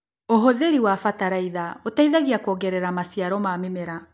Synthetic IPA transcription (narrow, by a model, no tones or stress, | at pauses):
oɦoðeɾiwafataɾaiðaotaiðaɣiakɔɡɛɾɛɾamasiaɾɔmamemeɾa